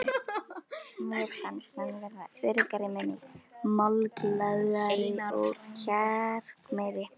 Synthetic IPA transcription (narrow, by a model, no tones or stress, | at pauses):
mjɛɾ̥kʰansanvɛːɾa̰vɛɾkaɾɪmɛmɪɣmalklaɣaɾɪɔɣcʰɛr̥kmɛðɪ